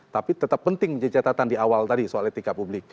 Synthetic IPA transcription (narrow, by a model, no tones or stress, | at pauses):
t̪apit̪ət̪əpːənt̪ɪŋd͡ʒadit͡ʃat̪at̪andiawalt̪adisoalet̪ikapublɪk̚